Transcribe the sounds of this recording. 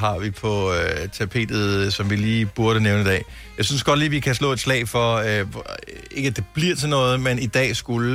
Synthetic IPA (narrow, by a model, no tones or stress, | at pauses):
ɦɑ̈ʋipʰɒ̽t͡sʰæpʰe̝̰ːd̥ð̩ˠsɒ̽mʋiliːb̥uɐɾ̥əneʊnəid̥ɛ̰ː | jɑ̈ɪsynsɡ̥ɒ̥̽liːʋikʰæslɔ̰ːe̝d̥slɛ̰ɪfɒ̽ | e̝ɡ̥əæd̥e̝b̥liɐ̰t͡sʰenɔ̽ːð̞̩ˠmenid̥ɛ̰ːsɡ̥ulə